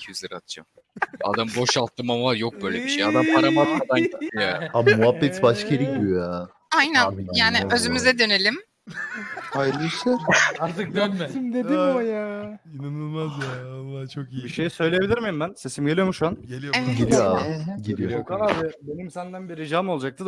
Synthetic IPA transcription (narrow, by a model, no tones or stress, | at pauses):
icʰijyzlʲiɾat̪̚ʰd͡ʒa̰m | a̰d̪ambo̞ʃalˠt̪ʰːɯmamavaɾjo̞k̚bø̞ːjlʲebiʃejad̪amhaɾamat̪ad̪anjaamamuɦapːɛt̪baʃcʰeɾiɟid̪ijojaː | ajnænijaːniø̞zymyzɛd̪ø̞ne̞lʲim | pʰajlˠaʃɯaɾt̪ʰɯk̚d̪ønmɪsimd̪e̞immjaːinanɯlˠmazjaat͡ʃʰobiʃe̞jsø̞jlʲejeilʲiɾmijimbænse̞simɟelʲijo̞mʃuanid̪ijoaɟid̪ijookaaːbɪbenimsænd̪ænbiɾid͡ʒamo̞lˠd͡ʒak̚t̪ʰɯd̪